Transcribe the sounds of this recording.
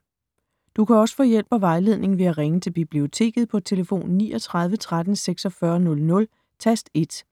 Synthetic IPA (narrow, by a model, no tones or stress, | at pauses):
d̥ukʰæɒ̽sə̥fɔːjel̰b̥ɒʋɑ̈ɪle̝ð̞̰ˠne̝ŋ̩ʋe̝æʁeŋət͡sʰe̝lb̥ib̥lio̝t͡sʰe̝̰ːɡ̥ð̞̩ˠpʰɒ̽t͡sʰe̝ləfo̝̰ːnːiːʔɒ̽t͡sʰʁɑ̈ð̞ˠʋət͡sʰʁaðdən̩seɡ̥sɒ̽fɶːɐnɔ̽lnɔ̽l | t͡sʰæsd̥e̝d̥